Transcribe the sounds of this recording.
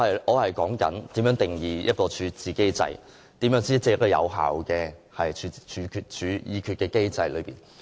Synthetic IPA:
hɐ˨jʔɔː˨˧hɐ˨jkɔː˨˥ŋkɐ̰˨˥nt̪iː˨˥mjœ˨˥ŋt̪e˨˩ŋjiː˨jɐ˥t̚kɔː˧t͡ʃʰyː˨˧˥t͡siː˨˩ke˥jt͡sɐ̰˧j | t̪iː˨˥mjœː˨˥ŋt͡siː˥ɐ˥t͡sɛ˧jɐ˥kɔː˧jɐ̰˨˧wɦa̰ː˨wkɛː˧hɐ˨jt͡ʃʰy˨˧t͡ʃʰyː˨˧kʰyː˧tt͡ʃʰyː˨˧jiː˨˧kʰyː˧t̚kɛː˧ke˥jt͡sɐ˧jlɵ̰˨˧ɥpiː˨˩n

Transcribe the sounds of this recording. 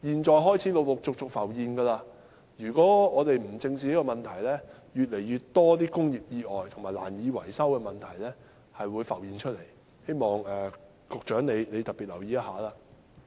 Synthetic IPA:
jiː˨˧nt͡ʃɔː˨˧jɦɔː˥jt͡sʰiː˨˥lo˨˧wlʊ˨k̚t͡sʊ˨k̚t͡sʊ˨k̚fɐ˨˩wjiː˨˧nɡɐː˧laː˧ | jyː˨˩kɔː˨˥ŋɔː˨˧t̪e˨jm̩˨˩t͡sɪ˧ŋsiː˨niː˥kɔ˧mɐ˨nt̪ʰɐ˨˩jlɛː˥ | jyː˨t̚le˨˩jːyː˨˧tt̪ːɔː˥t̪iː˥kʊ˥ŋjiː˨p̚jiː˧ʔɔː˨jt̪ʰʊ˨˩ŋmaː˨˩la̰ː˨˩njiː˨˧wɐ̰˨˩jsɐ˥wkɛː˧mɐ˨nt̪ʰɐ˨˩jlɛː˥ | hɐ˨jwuː˨˧jfɐ̰˨˩wjiː˨˧nt͡ʃʰɵ˥t̚le˨˩j | he˥jmɔː˨ŋɛː˨ | kʊ˨k̚t͡ʃœː˨˥ŋne˨˧jne˨˧jt̪ɐ˨t̚pːiː˨t̚lɐ˨˩wjiː˨˧jɐ˥t̚haː˨˧˥laː˧˥

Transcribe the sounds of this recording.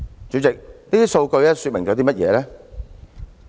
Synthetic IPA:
t͡syː˨˥t͡sɪ˨k̚t̪iː˥so˧wkɵ˧ɥɛː˥sy˧t̚mɪ˨˩ŋt͡sɔ˨˥t̪iː˥mɐ˥t̚jɛ̰ː˨˧lɛː˥

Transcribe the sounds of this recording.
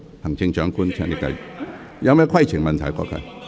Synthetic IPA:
hɐ˨˩ŋt͡ɕɪ˧ŋt͡ʃœ˨˧˦ŋku˧˥nt͡ɕʰɛ˧ŋli˧˩ka̰˧˩j | ja˧˦mɛ˧˥kʰa˥˧jt͡ɕʰi˨˩ŋmɐ˨nt̪ʰa˨˩jkʷɔ̰˧˩kʰa̰˧˩

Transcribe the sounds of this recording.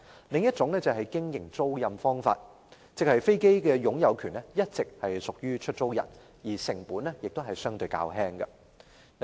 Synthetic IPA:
lɪ˨ŋjɐ˥t̚t͡sʊ˨˥ŋnɛː˥t͡sɐ˨wɦɐ˨jkɪ˥ŋjɪ˨˩ŋt͡so˥wjɐ˧mfɔː˥ŋfa̰ː˧t̚ | t͡sɪ˨k̚hɐ˨jfe˥jke˥jkɛː˧jʊ˨˥ŋjɐ˨˧wkʰyː˨˩nɛ˥jɐ˥t̚t͡sɪ˨k̚hɐ˨jsʊ˨k̚jyː˥t͡ʃʰɵ˥t̚t͡so˥wjɐ̰˨˩n | jiː˨˩sɪ˨˩ŋpuː˨˥nɛ˥jɪ˨k̚t̪o˥ɦɐ˨jsœː˥ŋt̪ɵ˧jka̰ː˧wɦɛː˥ŋɡɐ˧

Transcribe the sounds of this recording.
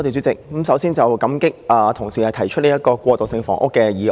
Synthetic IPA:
t̪e˨jt͡sy˨˥t͡sɪ˨k̚ːmsɐ˨˥wsiː˥nt͡sɐ˨wkɐ˨˥mkɪ˥k̚ɐː˨˩t̪ʰʊ˨˩ŋsiː˨˩hɐ˨jt̪ʰɐ˨˩jt͡ʃʰɵ˥t̚li˥jɐ˥t̚kɔː˧kʷɔː˧t̪o˨wsɪ˧ŋfɔ̰˨˩ŋʔʊ̰˥kːɛː˧jiː˨˧

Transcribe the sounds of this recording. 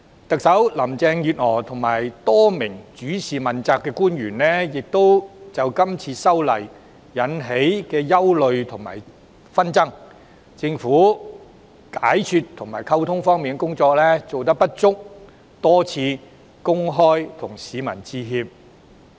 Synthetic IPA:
t̪ɐ˨k̚sɐ˨˥wlɐ˨˩mt͡sɛː˧ŋjyː˨t̚hɔː˨˩t̪ʰʊ˨˩ŋmaː˨˩jt̪ɔː˥mɪ˨˩ŋt͡ʃyː˨˥siː˨mɐ˨nt͡saː˧kːɛː˧kuː˥njyː˨˩nlɛː˥jɪ˨k̚t̪o˥wt͡sɐ˨wkɐ˥mt͡sʰiː˧sɐ˥wlɐ̰˨˩j | jɐ˨˥nɦe˨˥jkɛː˧jɐ˥wlɵ˨˧ɥt̪ʰʊ˨˩ŋma̰ː˨˩j | fɐ˥nt͡sɐ˥ŋ | t͡sɪ˧ŋfuː˨˥ | kaː˨˥jt͡ʃʰyː˧tt̪ʰʊ˨˩ŋmaː˨˩jkʰɐ˥wt̪ʰʊ˥ŋfɔː˥ŋmi˨nkɛ˥kʊ˥ŋt͡sɔː˧k̚lɛː˥t͡so˨wt̪̬ɐ˥k̚pɐ˥t̚t͡sʊ˥k̚ | t̪ɔː˥t͡sʰiː˧ | kʊ˥ŋɦɔː˥jt̪ʰʊ˨˩ŋsiː˨˧mɐ̰˨˩nt͡siː˧ɦiː˧p̚

